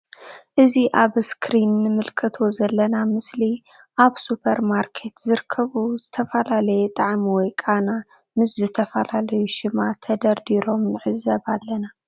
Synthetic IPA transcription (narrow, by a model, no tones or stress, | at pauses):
ʔɨziʔaβskʰɾinːɨmɨlkʰɐt̪ʰo̞zɐlːɐnamɨsli | ʔaβsupʰɐɾmaɾkʰe̞t̪zɨɾɨkʰːɐβuzɨt̪ʰɐfɐlalɐjɛt̪ʼaʕmiwɔjkʼana | mɨszɨt̪ʰɐfɐlalɐjuʃɪmat̪ʰɐd̪ɐɾd̪iɾo̞mnɨʕɨzːɐβalːɐna